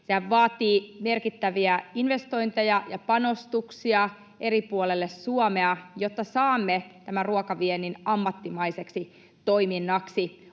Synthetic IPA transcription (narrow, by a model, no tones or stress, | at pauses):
sehæʋʋɑːt̪iːme̞rkit̪ːæʋiæinʋe̞st̪o̞int̪ejɑjɑpɑno̞st̪uksiɑ | ʔeɾipuolelːesːuomeɑjot̪ːɑsɑːmːet̪æmæruokɑʋienːinɑmːɑt̪ːimɑiseksi | t̪oiminːɑksi